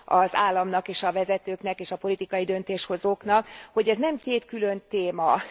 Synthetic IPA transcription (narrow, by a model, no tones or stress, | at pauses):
ɒzaːlːɒmnɒkeːʃɒvɛzɛt̪øːknɛkeːʃɒpo̞lit̪ikɒjid̪ønt̪eːʃho̞zoːknɒkho̞ɟɛznɛmkeːt̪kylønt̪eːmɒ